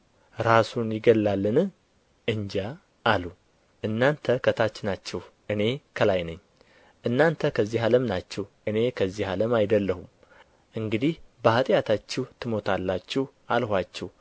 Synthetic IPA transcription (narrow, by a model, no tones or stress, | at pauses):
ɾasunjɪɡəlːalːɨnɨ | ʔɨɲd͡ʒaː | lu | ʔɨnːant̪ʰəkʰət̪ʰat͡ʃːɪnat͡ʃːɛhʔɨne̞kʰəlajnəɲː | ʔɨnːant̪ʰəkʰəzːiɦaləmnat͡ʃːɛwʔɨne̞kʰəzːihaləmajd̪əlːəhum | ʔɨŋɡɨd̪ihbəhat̪ʼjat̪ʰat͡ʃːɛht̪ʰɨmo̞t̪ʰalːat͡ʃːɛh | alɦʷat͡ʃːɛw